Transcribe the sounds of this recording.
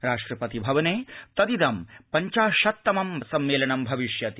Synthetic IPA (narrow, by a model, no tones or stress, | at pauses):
ɾaːʂʈɾɐpɐt̪ibʱɐʋɐneːt̪ɐd̪id̪ɐmpɐɲt͡ʃaːʃɐt̪ːɐmɐmsɐmːeːlɐɳɐmbʱɐʋiʂjɐt̪i